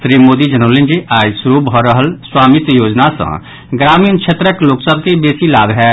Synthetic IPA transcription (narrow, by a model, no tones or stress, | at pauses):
sɾimoːd̪id͡ʒənolend͡ʒiʔaːjsuɾubʱɔɾəɦəlswaːmit̪joːd͡ʒnasə̰̃ | ɡɾaːmiːnt͡ʃʰet̪ɾəkloːksəb̚ʱkebeːsilaːbʱɦɛ